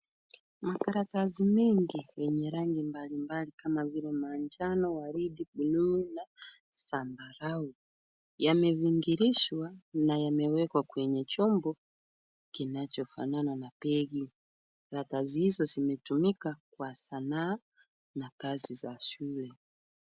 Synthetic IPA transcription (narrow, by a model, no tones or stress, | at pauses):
makaɾatazimɛŋɡiwɛɲɛɾaŋɡimbalimbalikamaviɾɛmaɲd͡ʒanɔwaɾidibulunasambaɾau | jamɛviŋɡiɾiʃwanajamɛwɛkwakwɛɲɛt͡ʃɔmbɔ | kinat͡ʃɔfa̰nananapɛɡi | ɾatazihizɔzimɛtumikakwasanaː | nakazizaʃulɛ